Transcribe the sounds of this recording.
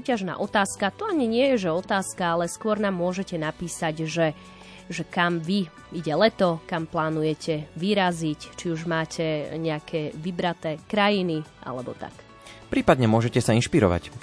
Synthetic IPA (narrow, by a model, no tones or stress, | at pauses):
suːcaʒna̰ːʔɔt̪aːskat̪ɔaɲiɲɪɛjɛʒɛɔt̪aːskaalɛskʊɔɾnaːmːʊɔʒɛcɛnapiːsaɟʒɛ | ʒɛkamʋi | iɟɛlɛt̪ɔkamplaːnujɛcʰɛʋiɾazict͡ʃiuʒmaːcʰɛɲɛakʰɛːʋibɾat̪ɛːkɾajiniʔa̰lɛbɔ̰t̪a̰k | pɾiːpad̪ɲɛmʊɔʒɛcɛsainʃpiɾɔ̰ʋa̰c